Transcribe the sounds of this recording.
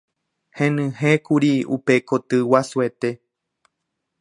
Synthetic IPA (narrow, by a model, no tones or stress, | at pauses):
hẽnɨ̃hekuɾiṵpe̞kot̪ɨwasuet̪e̞